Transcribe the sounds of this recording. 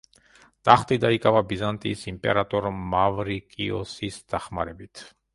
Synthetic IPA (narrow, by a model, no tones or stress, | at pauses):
t̪ʼaχt̪ʼid̪aikʼavabizant̪ʼiːsimpʼɛ̰ɾat̪ʼɔɾmːavɾikʼiɔsisd̪̥aχmaɾɛbit̪ʰ